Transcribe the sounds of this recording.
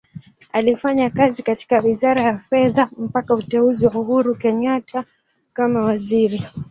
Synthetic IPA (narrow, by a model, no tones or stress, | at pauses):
alifaɲakazikati̥kawizaɾajafɛðam̩pakautɛuziwauɦuɾukɛɲatʰa | kamawaziɾi